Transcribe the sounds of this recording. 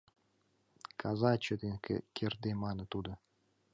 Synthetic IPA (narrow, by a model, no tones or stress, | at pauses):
kʰazɑt͡ɕəd̪enkḛkʲerd̪emɑnə̆t̪ud̪ɤ̆